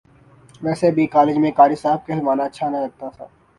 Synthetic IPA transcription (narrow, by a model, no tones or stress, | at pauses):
ʋɛːsebʱikaːled͡ʒmẽkaːɾisaːb̚keɦɪlʋaːnaɐtːʃʰanɐɦĩlɐɡ̚t̪at̪ʰa̰ː